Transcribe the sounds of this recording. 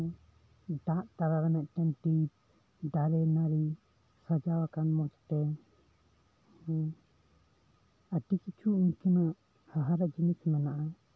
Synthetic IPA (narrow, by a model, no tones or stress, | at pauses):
ɖaʔt̪aɾaɾɛnɛʔʈɛnʈi | ɖaɾɛnaɾi | sad͡ʒawakanmɔt͡ʃʈɛ | əʈikit͡ʃʰuuɲkinaʔ | haɦaɾad͡ʒinismɛnaʔa